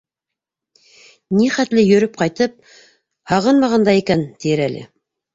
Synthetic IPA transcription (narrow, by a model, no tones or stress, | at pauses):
niχæt̪lɘjɵ̆ɾɵp̚qɑjt̪ɤp̚ | hɑʁɤnmɑʁɑnd̪ɑikænt̪ijɘɾælʔɘ̰